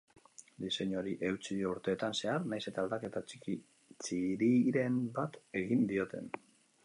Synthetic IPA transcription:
d̪ise̞ɲo̞ɾiʔe̞wt͡siuɾt̪e̞ːt̪anse̞aɾnajse̞t̪ald̪ake̞t̪at͡ʃi̥ki | t͡ʃiɾiɾe̞mbat̪e̞ɣind̪io̞t̪e̞̰n

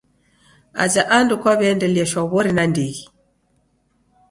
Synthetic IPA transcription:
a̰zaʔandukwaβɛndɛljaʃaβɔɾinandiɣi

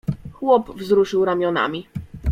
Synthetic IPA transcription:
xwɔpvzɾuʂɘwɾamʲjɔna̰mʲi

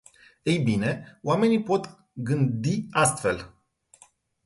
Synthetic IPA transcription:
ejbine̞oame̞nipo̞t̪ | ɡɨnd̪iast̪fe̞̰l

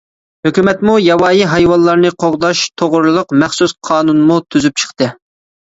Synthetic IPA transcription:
høkʲymɛt̪mujɑwɑːjiɦɑjwɑnlˠɑɾnɨqʰoʁd̪ɑʃt̪ʰoʁʊɾɨlˠəqmɛχsusqʰɑːnunmut̪ʰyzyp̚t͡ʃʰə̥χt̪ɨ

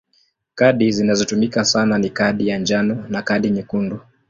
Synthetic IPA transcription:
kaɗizinazitumikasananikaɗijaɲd͡ʒanɔnakaɗiɲikundu

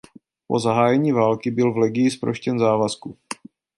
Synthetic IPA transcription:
po̞zaɦaːjɛɲiːvaːlkɪbɪlvlɛɡɪjɪspɾo̰ʃcɛnzaːvasku

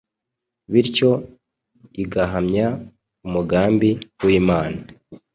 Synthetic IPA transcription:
βiɾco̞ | iɡaɦamɲa | umuɡaːmbiwiːmaːna

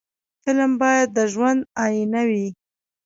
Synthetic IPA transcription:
fɪlmbɑjad̪ːəʒwand̪ɑjinawi

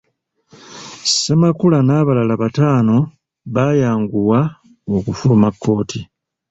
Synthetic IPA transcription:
semakulanaːβalalaβataːno̞ | βajaːŋɡuwa | okufulumakːo̞ːtʰi

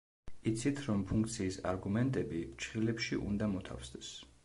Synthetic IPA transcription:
it̪sʰit̪ʰɾɔmpʰuŋk̚t̪sʰiːsa̰ɾɡumɛnt̪ʼɛbit͡ʃʰχilɛpʃiʔṵnd̪amɔt̪ʰa̰fsd̪ɛs

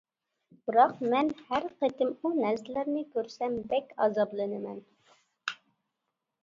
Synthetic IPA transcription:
b̥ɨɾɑqmɛnhæɾqet̪ɪmunæɾsɪlæɾnɪkʲøɾsɛmbɛkʲɑ̰zɑblˠɨnɨmɛ̰n

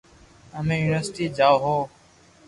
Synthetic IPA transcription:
əmẽːjuːnɪʋəɾsʈiːd͡ʒaːɦoː

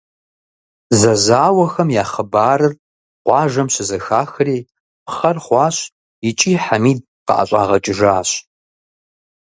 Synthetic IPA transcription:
zɐzaːwɐxɐmjaːχəbaːɾɨr | qʷɑːʒɐmɕɪzɐxaːxɨriː | pχɐrχʷɑːɕʼ | ɪt͡ʃʼiːħamiːd̚qɑ̰ʔa̰ɕʷʼa̰ːʁɐt͡ʃʼɪʒaːɕ

